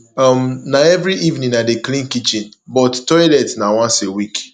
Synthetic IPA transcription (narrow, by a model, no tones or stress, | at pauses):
ɔmnaɛvɾiʔivnĩnadeklĩnkit͡ʃĩnbɔttɔjlɛtnawɔ̃nsewik